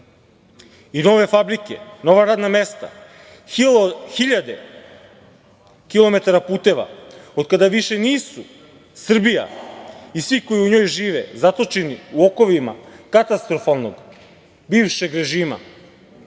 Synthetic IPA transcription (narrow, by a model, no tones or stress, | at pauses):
ino̞ʋe̞fabɾike̞̰no̞ʋaɾaːd̪name̞st̪a̰ | xiʎad̪e̞ | kilˠo̞me̞t̪aɾapuːt̪e̞ʋa̰od̪̚kad̪aʋiʃeniːsu | sr̩bija̰isʋiko̞jiuɲo̞ːjʒiːʋḛzat̪o̞t͡ʃeniuo̞ko̞ʋima̰kat̪ast̪ɾo̞falˠnoɡ | biːʋʃeɡɾe̞ʒiːma̰